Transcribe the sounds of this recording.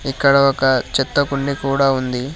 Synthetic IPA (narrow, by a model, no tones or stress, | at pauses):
ikːɐɽɐɔkɐt͡ʃɛt̪ːɐkuɳɖikuːɽaːund̪i